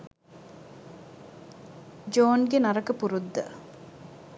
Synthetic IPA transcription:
d͡ʒoːnɡenɐɾəkəpuɾud̪ːə̰

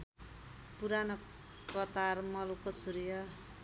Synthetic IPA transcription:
puɾanʌ | kʌt̪armʌlukosuɾijʌ

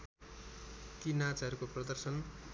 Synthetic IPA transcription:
kinat͡sɦʌɾukoprʌd̪ʌrsʌn

